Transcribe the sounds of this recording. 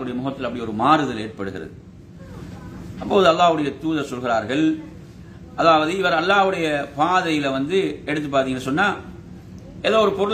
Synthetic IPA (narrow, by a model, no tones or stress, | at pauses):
ɯɽɐjɐmʊɣɐt̪ːɪlɐpːɐɽɪɔɾɯmaːɾɯðɐleːrpɐɽɯɣɪɾɐ̰ðɯ | ɐpːoːðɯɐlːaːʋɯɽɐjɐt̪uːðɐɾsɔlɣɪɾaːɾɣɐɭ | ʔɐðaːʋɐðɯɪʋɐɾɐlːaːʋɯɽɐjɐpaːðɐjɪlʋɐnd̪ɯɛɽɯt̪ːɯp̬ːaːɾt̪iŋɐɯsɔnːaː | ʔɛðoːɔɾɯpɔɾɯ